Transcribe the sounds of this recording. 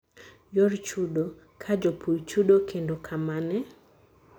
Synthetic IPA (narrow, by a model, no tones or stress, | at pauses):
jɔɾt͡ʃudo | kʰad͡ʒopʰujt͡ʃudokʰendokʰamanɛ